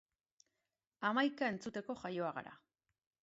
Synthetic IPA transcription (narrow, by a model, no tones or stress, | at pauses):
amajkae̞nt͡sut̪e̞ko̞ʝajo̞aɣa̰ɾa̰